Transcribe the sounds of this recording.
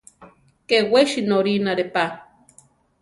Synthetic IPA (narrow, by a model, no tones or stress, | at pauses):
keweʃinoɾinaɾepa